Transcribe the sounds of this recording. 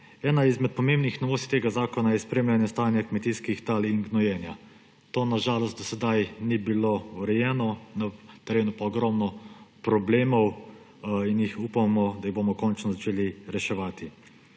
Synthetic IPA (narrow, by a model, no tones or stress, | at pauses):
ɛːnaizmɛt̪̚pɔmeːmbnixnɔʋoːst̪i̥t̪eːɡazaːkɔnajɛspɾeːmlanjast̪aːnjakmɛt̪iːskixt̪aːliŋɡnɔjɛːnja | t̪oːnaʒaːlɔst̪d̪ɔsɛd̪ajnibilouɾɛjɛːnɔnat̪ɛɾeːnupaɔɡɾɔmnɔpɾɔbleːmɔw | injixupamɔd̪ajiɣboːmɔkɔnt͡ʃnɔzat͡ʃeːliɾɛʃɛʋaːt̪i